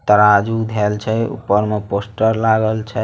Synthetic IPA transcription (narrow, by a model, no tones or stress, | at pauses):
t̪əɾad͡ʒud̪ʱelt͡ʃʰɛṵpːəɾmeposʈəɾlaɡəlt͡ʃʰə